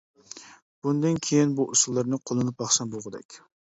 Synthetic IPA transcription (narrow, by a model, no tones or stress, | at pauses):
b̥und̪ɨnkʲʰejinbuʔusulˠːɨɾnɨqʰolˠɨnɨp̚bɑχʃɑnboʁəd̪ɛ̰kʲ